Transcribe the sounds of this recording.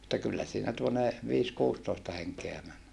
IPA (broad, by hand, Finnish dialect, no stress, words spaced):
etːæ kylːæ siːnæ tuone ʋiːs kuːstoistɑ heŋkeæ mæn